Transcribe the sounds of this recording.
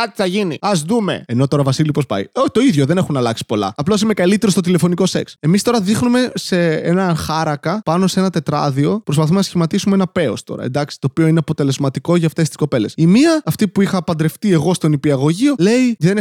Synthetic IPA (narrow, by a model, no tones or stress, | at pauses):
kɐt̪iθɐʝinḭɐzðume̞̰eno̞t̪o̞ɾɐvɐsilipospɐ̰joçi̥t̪o̞iðʝo̞ðe̞nexunɐlɐksi̥po̞lɐ̰ɐplos̬imekɐlit̪e̞ɾo̞st̪o̞t̪ile̞fo̞niko̞se̞̰kse̞mist̪o̞ɾɐðixnume̞se̞enɐxɐɾɐkɐpɐno̞see̞nɐt̪e̞t̪ɾɐ̰ðio̞pɾos̬pɐθumenɐsçimɐt̪isumeenɐpe̞o̞̰st̪o̞̰ɾɐ̰end̪ɐksi̥t̪o̞ːpio̞ineɐpo̞t̪e̞le̞zmɐt̪iko̞ʝɐːft̪e̞st̪i̥sko̞pe̞le̞simiɐːft̪ipuixɐːpɐnd̪ɾe̞ft̪ie̞ɣo̞st̪o̞nipiɐɣo̞ʝio̞le̞iðen